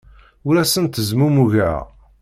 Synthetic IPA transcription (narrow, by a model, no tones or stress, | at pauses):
uɾæsənt̪əzmumuʝæ̰